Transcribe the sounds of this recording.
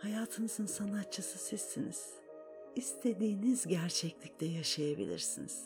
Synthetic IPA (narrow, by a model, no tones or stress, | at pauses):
hajaːt̪ʰɯnɯzɯnsanat̪̚t͡ʃʰːɯsɯsisːinḭz̥ | ist̪ʰe̞d̪iːnizɟæɾt͡ʃʰɛclʲiclʲɛjaʃajabḭlʲḭɾsiniz̥